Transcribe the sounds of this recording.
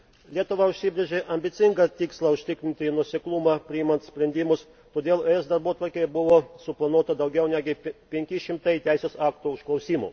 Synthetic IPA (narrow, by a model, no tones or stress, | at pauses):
lʲiɛt̪ʊʋɐʊʃʲsʲɪbʲɾʲeʒʲeʔɐmʲbʲɪt̪sʲɪŋɡɐt̪ʲiːkslˠɑʊʃʲt̪ʲɪkʲɾʲɪnʲt̪ʲɪnuɔsʲeɛklˠʊmɑpʲɾʲɪɪmɐnt̪sʲpʲɾʲɛnʲd̪ʲɪmʊs | t̪oːd̪ʲeːlˠoɛsd̪ɐɾbuɔt̪ʋɐɾʲkʲeːjɛbʊʋoːsʊplˠɐnuɔt̪ɐd̪ɐʊɡʲɛʊnʲæːɡʲɪpʲɛŋʲkʲɪʃʲɪmt̪ɐɪt̪ʲæˑɪsʲeːsɑːkt̪uʊʃklˠɐʊsʲiːmṵ